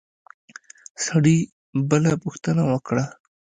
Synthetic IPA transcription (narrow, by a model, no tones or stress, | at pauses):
sɐɽi | bəlapuxt̪ənawəkɽa